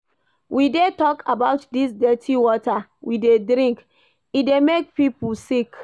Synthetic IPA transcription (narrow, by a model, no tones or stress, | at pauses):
wʔidetɔkʰabaʊtdis̬dɛtʰiwɔtawidedɾĩŋk | idemek̚pipusik